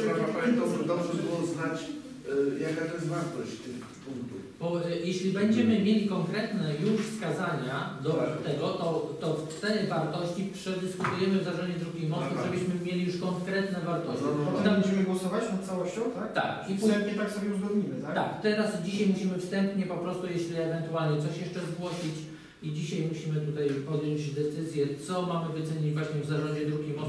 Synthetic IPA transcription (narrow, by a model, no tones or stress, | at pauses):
ɔpaɛnt̪ɔʐɛd̪ɔbʐɛbɨwɔznat͡ɕ | jakat̪ɔjɛst̪vaɾt̪ɔɕt͡ɕt̪ɪx | puŋkt̪u | bɔjɛɕlʲibɛɲd͡ʑɛmɘmʲjelʲikɔŋkɾɛt̪nɛjuʂfskazaɲad̪ɔt̪ɛɡɔt̪ɔt̪ɔft̪t̪ɛjvaɾt̪ɔɕt͡ɕipʂɛd̪ɘskut̪ujɛmɘvzaʐɔɲd͡ʑɛd̪ɾukʲimɔst̪uʐɛbɘɕmɘmʲjelʲijuʂkɔŋkɾɛt̪nɛvaɾt̪ɔɕiɛmɛd͡ʑɛmɘɡwɔsɔvat͡ɕnat̪t̪sawɔɕt͡ɕɔ̃w̃t̪at̪a̰kifst̪ɛmpɲɛt̪aksɔbʲjɛuʐɾuimɘt̪at̪a̰kt̪ɛɾasd͡ʑiɕajmuɕimɘfst̪ɛmpɲɛpɔpɾɔst̪ujɛɕlʲiɛvɛnt̪ualɲɛt̪sɔɕjɛʂt͡ʂɛzɡwɔɕit͡ɕ | id͡ʑiɕajmuɕimɘt̪ut̪ajpɔd̪jɔɲd͡ʑd̪ɛt̪sɘzʲjɛt̪sɔmamɘvɨt̪sɛɲid͡ʑvwaɕɲɛvzaʐɔɲd͡ʑɛd̪ɾuɡʲimɔs